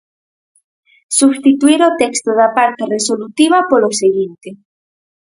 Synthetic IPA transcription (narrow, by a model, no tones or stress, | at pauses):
suβst̪it̪uiɾot̪ekst̪oðapaɾt̪eresolut̪iβ̞apoloseɣint̪e